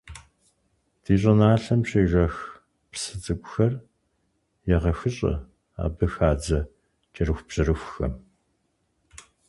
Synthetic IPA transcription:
d̥iːɕ̬ʼɐnaːɬɐmɕeːʒɐx | psɨt͡sʼɨkʷʼʊxɐr | jɛʁɐxɨɕʼɐ̰ | a̰ːbɐxaːd͡zɐ | t͡ʃʼɐɾɨxʷpɕɐɾɨxʷxɐ̰m

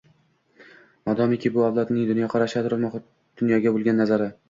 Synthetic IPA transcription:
mad̪ɒmekʲʰɪbʊawlˠɒt̪nɪŋd̪ʊnjɒqʰɑɾaʃat̪ʰʊɾɪlmɒχ | d̪̥ʊnjɒɡʲabolˠɡʲanːazaɾɪ

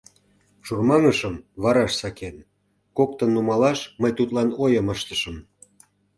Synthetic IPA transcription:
ʃurmɑŋəʃəmβɑɾɑʃsɑken | kok̚t̪ənːumɑlɑʃməjt̪ut̪lɑnojəməʃt̪ə̥ʃəm

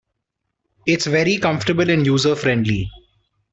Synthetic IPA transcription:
ɪʈsʋɛɾikʌ̃mfʈəbəlɪ̃njuːzəfɾɛ̃ɳɖlḭ

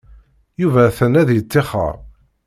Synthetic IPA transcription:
juvæθənæðjət͡sːɪχə̰ɾˤ

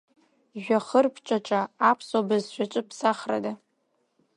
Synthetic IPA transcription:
ʒᶣʷaχərpʰt͡ʃʼaʈ͡ʂʼaːpʰsabɨzʃʷᶣat͡ʃʼɨpʰsaχra̰da

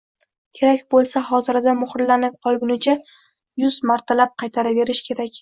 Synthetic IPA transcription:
kʲʰe̞ɾakʲbolˠsaχɒt̪ʰɪɾad̪amʊχɾlanɪp̚qʰɒlˠɡʲʊnɪt͡ʃʰa | jʊzmaɾt̪ʰalap̚qʰɑjt̪ʰaɾave̞ɾɪʃkʲʰe̞ɾakʲ

